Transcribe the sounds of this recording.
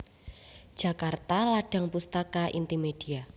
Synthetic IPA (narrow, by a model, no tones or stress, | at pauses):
d̥ʒ̥ä̤kart̪alaɖ̥a̤ŋpust̪akaʔḭnt̪imed̥ia